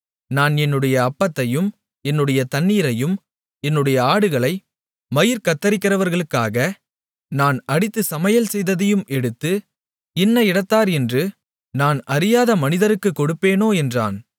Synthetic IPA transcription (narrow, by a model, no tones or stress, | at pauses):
naːnɛnːɯɽɐjɐːpːɐt̪ːɐjɯm | ɛnːɯɽɐjɐt̪ɐnːiːɾɐjɯm | ɛnːɯɽɐjɐaːɽɯɣɐɭɐɪ | mɐjɪɾkɐt̪ːɐɾɪkːɪrɐʋɐɾɣɐɭɯkːaːɣɐ | naːnɐɽɪt̪ːɯsɐmɐjɐlsɛjðɐðɐjɯmɛɽɯt̪ːɯ | ɪnːɐɪɽɐt̪ːaːɾɛndrɯ | naːnɐɾɪjaːðɐmɐnɪðɐɾɯkːɯkːɔɽɯpːeːnoːɛndra̰ːn